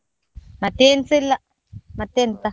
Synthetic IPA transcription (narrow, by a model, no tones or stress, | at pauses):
mat̪ent͡silaʔ | mat̪ent̪a